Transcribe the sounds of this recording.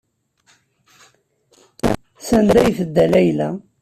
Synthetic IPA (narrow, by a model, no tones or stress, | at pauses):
sænd̪æjθəd̪ːælæjlæ